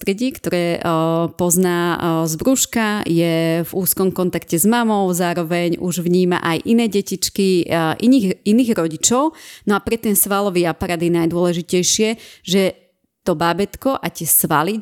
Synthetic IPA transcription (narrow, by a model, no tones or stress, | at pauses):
t̪ɾɛɟiːkt̪ɔɾɛːpɔznaːzbɾuʃkajɛvuːskɔmkɔnt̪akcɛzmamɔʊzaːɾɔʋɛɲuʒʋɲiːma̰ʔajʔinɛːɟɛcit͡ʃkiʔiniiniːɣɾɔɟit͡ʃɔʊnɔapɾɛt̪ɛnsʋalɔʋiːapaɾaːd̪jɛnajd̪ʊɔlɛʒicɛjʃɪɛʒɛ | t̪ɔbaːbɛt̪kɔʔat̪ɪɛsʋa̰li